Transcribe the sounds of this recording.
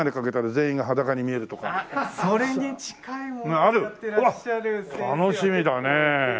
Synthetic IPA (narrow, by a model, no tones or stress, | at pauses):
ad̪e̞kake̞t̪aɾazẽ̞ːĩŋɡaɦad̪akaɲ̟imʲie̞ɾɯ̟t̪o̞ka̰soɾeɲit͡ɕi̥kaĩaɾɯ̟aɾt̪ʰano̞ɕimʲid̪ane